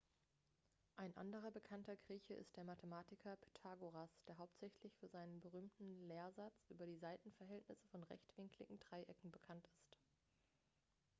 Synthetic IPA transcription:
ʔaɪnʔa̰ndəʁɐbəkʰantɐɡʁiːçəʔɪ̰st̚d̥eːɐmatʰəmaːtɪkʰɐpʰe̥tʰaɡoʁasd̥eːɐɦaʊp̚tz̥ɛçlɪçfyːɐzaɪnənbəʁ̞yːmtn̩leːɐzat͡sʔy̰ːbɐdiːzaɪtn̩fɛɐɦɛltnɪsəfɔnʁɛ̰çtv̥ɪŋklɪ̰ɡŋ̩dʁaɪʔɛkŋ̩bəkʰantɪst

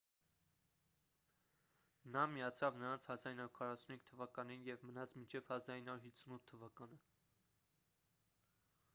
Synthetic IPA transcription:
nɑmijɑt͡sʰɑvnəɾɑnt͡sʰhɑzɑɾinɑuɾkʰɑrɑsunhiŋk̚t̪ʰəvɑkɑninjɛvmənɑt͡smint͡ʃʰɛv̥hɑzɑɾinɑuɾhit͡sʰːunut̪ʰːəvɑkɑnə

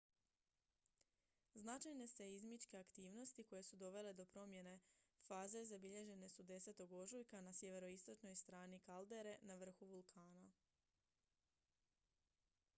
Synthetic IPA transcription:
znat͡ʃajne̞se̞izmit͡ʃke̞akt̪iːʋno̞st̪iko̞je̞sud̪o̞ʋe̞le̞d̪o̞pɾo̞mje̞ne̞faːze̞zabiʎe̞ʒe̞ne̞sud̪e̞se̞t̪o̞ɡo̞ʒujkanasje̞ʋe̞ɾo̞ist̪o̞t͡ʃno̞jst̪ɾaːnikald̪e̞ɾe̞naʋr̩xuʋulˠkʰaːna

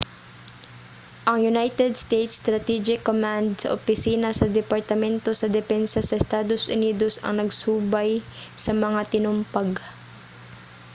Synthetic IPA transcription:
ʔɐŋjʊnajt̪ɛd̪st̪ejt̪st̪ɾɐt̪ɛd͡ʒɪkːomand̪̚sɐ̰ʔopɪsiːnɐsɐd̪ɛpɐɹt̪ɐmɛnt̪o̞sɐd̪ɛfɛnsɐsɐʔɛst̪aːd̪o̞sʔʊniːd̪o̞sɐ̰ŋnɐɡsuːbɐjsɐmɐŋat̪ɪnʊmpaɡ

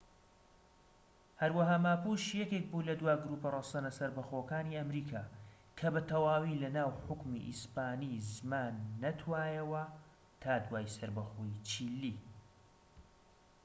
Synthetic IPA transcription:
hɐɾwɐɦaːmaːpuʃjɛkʲeːk̚bulɐd̪waːɡɾupɐrɐsɐnɐsɐɾbɐxoːkaːniʔɐmɾiːkʰaː | kʰɐbɐt̪ʰɐwaːwiːlɐnaːwħʊkmḭʔḭspaːnizmaːnːɐt̪ʰwaːjɐwɐ | t̪ʰaːd̪waːjsɐɾbɐxoːjit͡ʃʰiːlːi

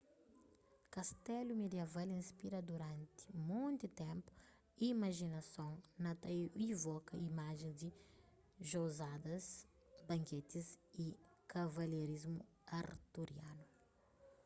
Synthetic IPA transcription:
kɐst̪ɛlumed̪ievalĩspiɾɐd̪uɾɐ̃nt̪i̥mõñt̪it̪ɛ̃mpu̥ | imɐʒinɐsõŋnɐt̪aivɔkɐimaʒẽzd̪i | ʒozad̪ɐz | bɐ̃ŋket̪izi | kɐvɐleɾizmu | ɐɾt̪uɾjanu

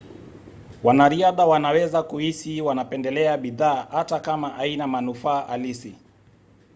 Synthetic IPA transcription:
wanaɾiaðawanawɛzakuhisiwanapɛndɛlɛaɓiðaːhatakamaʔainamanufaːʔalisi

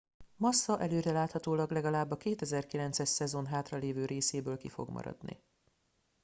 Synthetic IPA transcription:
mɒsːɒʔɛløːɾɛlaːt̪hɒt̪oːlɒɡlɛɡɒlaːbːɒkeːt̪ɛzɛrkilɛnt̪sɛʃsɛzo̞nɦaːt̪rɒleːvøːɾʔeːseːbøːlkifo̞̰ɡmɒ̰ɾɒ̰d̪nḭ

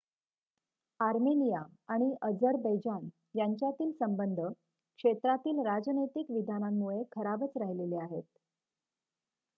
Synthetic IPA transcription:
aɾmenijaaɽ̃iʔəd͡zəɾbəjd͡ʑan | jaɲt͡ɕjat̪iːlsəmbənd̪ʱə | kʂet̪ɾat̪iːlɾad͡znəjt̪ikʋid̪ʱanamːuɭekʰəɾabət͡sɾaɦileleaɦet̪̚

